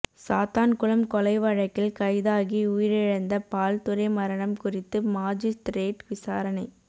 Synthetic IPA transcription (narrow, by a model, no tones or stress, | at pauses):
saːt̪aːnkʊɭɐmkɔlɐɪʋɐɻɐkːɪlkɐɪðaːɣiuːjɪɾɪɻɐnd̪ɐpaːlt̪ʊɾɐɪmɐɾɐɳɐmkʊrɪt̪ːɯmaːd͡ʒist̪ɾeːʈʋɪsaːɾɐnɐɪ